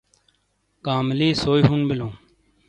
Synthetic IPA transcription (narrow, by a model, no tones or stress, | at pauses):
kaːmliːsoːiɦunbɪlõː